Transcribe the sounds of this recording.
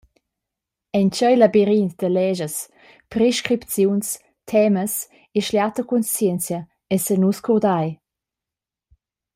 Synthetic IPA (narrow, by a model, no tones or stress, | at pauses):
ɛnt͡ʃəjlabiɾintd̪əlɛʒəs | pɾeʃkɾipt͡sjuns | t̪ʰɛməs | eʃljat̪əkunst͡sjɛnt͡sjə | ɛsənuskʰɔd̪aj